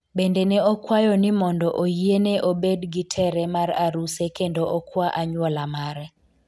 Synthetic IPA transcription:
bendenɛɔkwajɔnɪmɔndɔʔojieneʔobedɡitʰɛɾɛmaraɾusekendoʔokwaʔaɲwɔlamaɾɛ

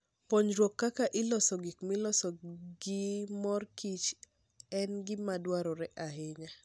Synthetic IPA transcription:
poɲɾwokːakaʔɪlɔsɔɡikmɪlɔsɔɡɪmɔrkit͡ʃ | ɛnɡɪmadwaɾɔɾɛʔaɦɪɲa

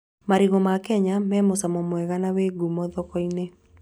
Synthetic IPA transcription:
maɾiɣɔmakɛɲamɛmosamɔmwɛɣanaweɡumɔðɔkɔine

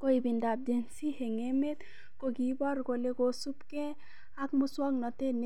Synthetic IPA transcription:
koibindab̚d͡ʒensiheŋemet̪ | koɡibɔɾɡoleɡosupkɛ | akmuswɔɡnɔt̪ene

